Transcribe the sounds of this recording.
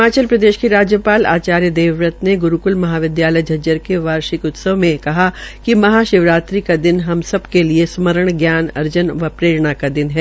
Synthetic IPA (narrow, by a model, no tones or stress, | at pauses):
aːt͡ʃəlpɾɐd̪eːʃkiɾaːd͡ʒjəpaːla̰ːt͡ʃaːɾjəd̪eːʋɾət̪neɡʊɾukʊlmɐɦaːʋɪd̪jaːləjd͡ʒʱɐd͡ʒəɾkeʋaːɾʃɪkʊt̪səʋmẽkɐɦakimɐɦaːʃɪʋɾaːt̪ɾikad̪ɪnɦɐmsɐbkeliesməɾəɽ̃ɡjaːnɐ̰ɾd͡ʒənʋɐpɾeːɾɳ̃akad̪ɪnɦɛː